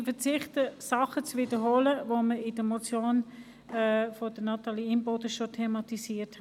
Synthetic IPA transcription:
fət͡sɪχtəsɑχət͡svidəɦoːləvoməɪd̥əmot͡sjoːn | ɛfod̥ənɑtɑliimbodəʃotʰemɑtisiːthɛ

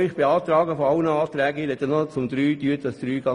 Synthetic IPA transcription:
ɪχb̥eɑːt̪ɾɑːɡəfɔɑʊnəɑːt̪ɾɛːɡəiɾhɛt̪ːɛnɔt͡sʊmd̪ɾyːd̥yːətdɑsd̥ɾyːɡ̥ɑ

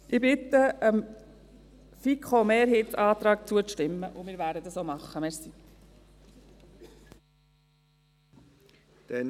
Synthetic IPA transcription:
ʔɪbɪt̪ːəəm | fikχomeːɾɦeːt̪sɑːt̪ɾɑːk̚t͡suəʃtɪmːəʔʊmɪːɾvæːɾdəd̪ɑsoːmɑχːəmɛɾsi | d̪̥ɛn

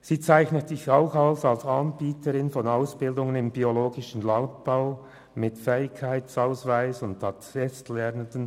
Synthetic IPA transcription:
siːt͡saɪçnətsɪçaʊxalsalsanbiːtʰəɾɪnfɔnaʊsb̥ɪldʊŋənɪmbioloːɡɪʃən̩laʊnt̚b̥aʊ | mɪtfɛːɪkkʰːaɪt͡saʊsvaɪsʊnthatfɛstlɛʁnəndən

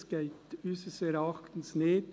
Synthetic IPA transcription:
sɡ̥eɪt̪ysəsɛɾɑχt̪ən̩sneːd

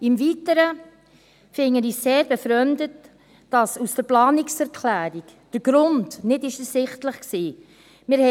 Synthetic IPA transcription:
ɪmviːtəɾə | fɪŋəɾiseːɾbɛfɾœndət | d̥ɑsusd̥əɾplɑːnɪksɛɾkʰlæːɾikd̥əɾɡ̥ɾʊntnɪtɪʃəsɪχtləχksiː | mɪɾhɛ

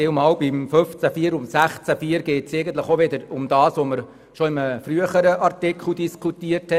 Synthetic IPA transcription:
ɪwmɑːlbɪmføft͡sæfiːəɾʊmsæχt͡sæfiːəɾɡ̥ɛːtseɪɡəntləχoʋɪd̪əɾʊmd̥ɑːsʋoməɾ | ʃoɪməfryəχəɾəʔɑrtɪkʰl̩diskʰutiərthɛ

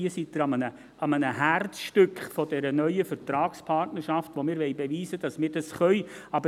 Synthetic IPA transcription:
isitːəɾɑmənə | ɑmənəhærtsʃtʏkχfɔd̥ɛɾənœʏəfəɾtɾɑːkspʰɑrtnərʃɑftʋomɪːɾʋɛjbeʋiːsəd̥ɑsmɪːɾd̥ɑsχœʏɑbə

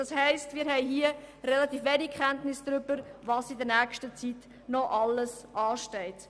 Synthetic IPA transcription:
d̥ɑshɛɪstmɪːɾɦɛjɦiərɛlɑtiːfʋeːnikʰχɛntnɪsd̥̪ɾʏb̥əɾvɑːsidəɾnæːkʃtət͡sit | nɔʔɑləsʔɑːʃtɛɪt

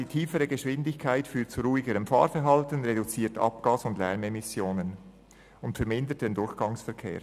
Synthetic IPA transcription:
d̥iːtʰiːfəɾəɡəʃʋɪndɪçkʰaɪtfyːt͡suɾuːɪɡəɾəmfɑ̰ːɾfɛɾɦɑltənʁedut͡siːɐtɑ̰pɡ̥aːsʊndlɛɾmemɪsjoːnən | ʊntfɛɾmɪndət̚d̥endʊɹçɡ̥ɑŋsfɛɾkʰḛːɾ

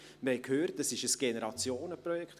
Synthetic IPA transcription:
məɾhɛɪkʰhøːrt̚dɑsɪʃəsɡ̥enəɾɑt͡sjoːnəpɾɔjɛkχt

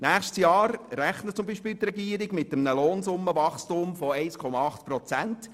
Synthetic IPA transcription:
næːχʃtsjɑːɾɾæχnət͡sʊmbiːʃpiːlt̪ɾɛɡiːəɾɪɡmɪtəmnəloːnsʊmːəʋɑχstʊmfɔɛɪskʰɔmɑɑχtpɾɔt͡sænt

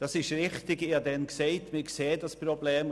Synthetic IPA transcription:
d̥ɑsɪʃɾɪχtɪɡɪːdɛnkseɪtmɪkseːd̥ɑsprobleːm

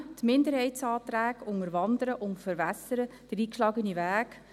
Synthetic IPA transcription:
tmɪndəɾhɛɪt͡sɑːt̪ɾæːɡʊŋəɾʋɑnd̪əɾəʔʊntfəɾʋæsəɾəd̥əɾiːkʃlɑːɡəniʋæːk

